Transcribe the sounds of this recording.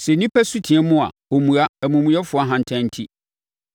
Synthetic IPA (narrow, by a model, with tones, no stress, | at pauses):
sɛ˨nĩ˦pʰɛ˦su˦tʰi˨ɛ˦mʊ̃˦a̰˨o˨mũ˨a˦æ˨mũ˨mũ˨jɛ˦fʊ˨˦a˦ɦã˨n̩˨tʰɛ̃˦n̩˦tʰi˦